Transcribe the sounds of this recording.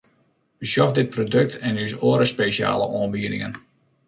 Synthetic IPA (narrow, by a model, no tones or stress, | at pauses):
ʋəsjɔxdɪt̚prodøk̚tʰɛnysoːəɾəspeʃja̰ːlə̰ʔoənbiːdɪ̰ŋə̰n